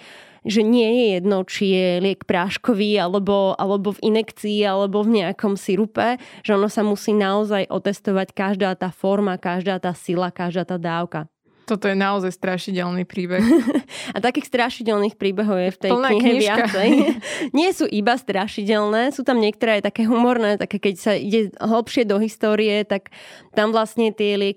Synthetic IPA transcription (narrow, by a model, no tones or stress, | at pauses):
ʒɛɲɪɛjɛjɛd̪nɔt͡ʃijɛlɪɛkpɾaʃkɔʋialɛbɔa̰lɛbɔvinɛkt͡siːalɛbɔvɲɛakɔmsiɾupɛʒ̥ɛɔnɔsamusiːnaɔzajʔɔ̰t̪ɛst̪ɔʋackaʒd̪aːt̪aːfɔɾmakaʒd̪aːt̪aːsilakaʒd̪aːt̪aːd̪aːʊka | t̪ɔt̪ɔjɛnaɔzajst̪ɾaʃicɛlˠnipɾiːbɛxat̪akiːxst̪ɾaʃicɛlˠniːxpɾiːbɛɦɔʊjɛft̪ɛnɲɲiɦɛɪat͡sɛjɲɪɛsuːʔibast̪ɾaʃicɛlnɛːsuːt̪amɲɪɛk̚t̪ɔɾɛːajt̪akɛːɦumɔɾnɛːt̪akɛːkɛcsaḭɟɛɦl̩ˠpʃɪɛd̪ɔɦist̪ɔːɾijɛt̪akt̪amʋlastɲɛt̪ɪɛlɪɛk